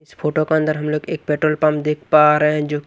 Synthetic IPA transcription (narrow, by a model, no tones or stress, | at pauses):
ɪspʰoːʈokeɐ̃nd̪əɾɦɐmloːɡeːk̚peːʈɾoːlpãmpd̪eːkʰpaːɾeɦɛ̃d͡ʒoːk